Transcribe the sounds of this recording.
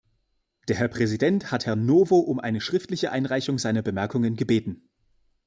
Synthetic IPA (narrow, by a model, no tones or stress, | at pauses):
d̥eːɐɦɛɐpʁ̥ɛzidɛnthathɛɐnːoːvoʔʊmʔa̰ɪnəʃʁ̥ɪftlɪçəʔaɪnʁaɪçʊŋzaɪnɐbəmɛɐkʊŋənɡəbeːtn̩